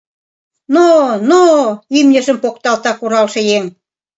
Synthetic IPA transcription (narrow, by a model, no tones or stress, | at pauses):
nonoimnʲə̆ʒə̆mpokt̪ɑlt̪ɑkuɾɑlʃĕjeŋ